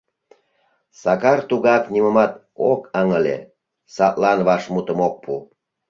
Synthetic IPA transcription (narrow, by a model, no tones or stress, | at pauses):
sɑkɑrt̪uɣɑkniməmɑt̪ | okɑŋəlḛ | sɑt̪lɑnβɑʃmut̪əmok̚pʰu